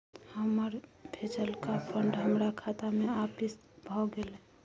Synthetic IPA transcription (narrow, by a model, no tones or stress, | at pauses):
həməɾbʱet͡ʃəlkapʰəɳɖɦəmɾakʰat̪ameapis | bʱɔɡele